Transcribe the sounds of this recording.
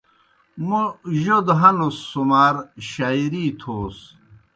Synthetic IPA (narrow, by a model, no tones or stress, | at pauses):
muʑod̪ɦɐnusːumaːɾɕajiɾiːt̪ʰoːs